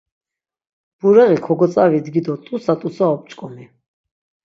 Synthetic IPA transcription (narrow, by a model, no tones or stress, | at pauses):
b̥uɾɛʁikʰɔɡɔt̪t͡sʼavid̪ɡid̪ɔt̪ʼusat̪ʼusaɔp̚t͡ʃʼkʼɔmi